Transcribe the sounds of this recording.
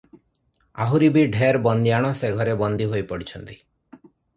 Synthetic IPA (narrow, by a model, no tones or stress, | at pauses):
a̰ɦuɾibiɖʱeɾbɔnd̪iaɽ̃ɔseɡʱɔɾebɔnd̪iɦojpɔɽit͡ʃʰɔnt̪i